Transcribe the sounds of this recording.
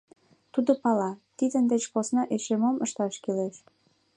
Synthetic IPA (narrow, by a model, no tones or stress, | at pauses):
t̪ud̪opɑlɑt̪id̪ənd̪et͡ɕposnɑʔeʃemoməʃt̪ɑʃkileʃ